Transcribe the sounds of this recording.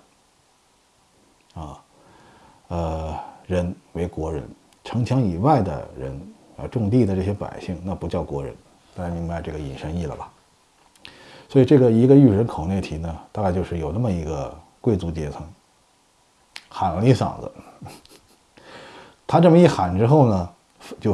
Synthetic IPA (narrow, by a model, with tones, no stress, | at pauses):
ə˧˩ | ə˧˩ɻə˧˥nwe˧˥ɪkwɔ˧˥ɻə̰˧˥n | ʈ͡ʂʰɤ˧˥ŋt͡ɕʰjɑ˧˥ŋi˨˩wa˥˩ɪd̪ə̰˩ɻə̰˧˥nə̰˧ʈ͡ʂʊ˥˧ŋt̪i˥˧d̪ə˩ʈ͡ʂɤ˥˩ɕjɛ˥pa̰˨˩ɪɕi˥˩ŋna˥˩pu˧˥t͡ɕjɑ˥˩ʊkwɔ˧˥ɻə̰˧˥n | t̪a˥˩˧ka˥˩mi˥˩ŋpa˧˥˨ʈ͡ʂɤ˥˩ɡə˩ḭ˨˩nʂə˧˥ni˥˩lə̰˨˩bɐ˩ | swɔ˧˥i˨˩ʈ͡ʂɤ˥˩ɡə˩i˧˥ɡə˧y˥˩ɻə˧˥nkʰo˨˩ʊnjɛ˥˩t̪ʰi˧˥nə˧t̪a˥˧ka˥˧ɪt͡ɕjo˥˧ʊʂɻ̩˥˩jo˨˩ʊna˥˩mə˩i˧˥ɡə˧ | kwe˥˩ɪt͡su˧˥t͡ɕjɛ˧˥t͡sʰɤ˧˥ŋ | xa˨˩n˧li˧˥sɑ̰˨˩ŋd͡zə̰˦ | t̪ʰa˥ʈ͡ʂɤ˥˩mə˩i˥˩xa˨˩nʈ͡ʂɻ̩˥xo˥˩ʊnə˩ | t͡ɕjo˥˧ʊ